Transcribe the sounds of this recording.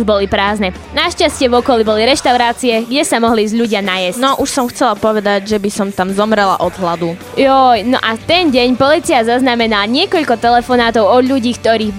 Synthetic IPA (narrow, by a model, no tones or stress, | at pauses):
ʒbɔlipɾaːznɛ | naʃcascɪɛvɔkɔlibɔliɾɛʃt̪aʊɾaːt͡siɛɡɟɛsamɔɦlizʎuɟɪanajɛsnɔʔuʃsɔmxt͡sɛlapɔʋɛd̪aɟʒɛbisɔmt̪amzɔmɾɛla̰ʔɔd̪ɦlad̪u | jɔjnɔ̰ʔat̪ɛnɟɛɲpɔliːt͡siazaznamɛnalaɲɪɛkɔʎkɔt̪ɛlɛfɔnaːt̪ɔʊɔd̪ʎuɟiːkt̪ɔɾiːɣ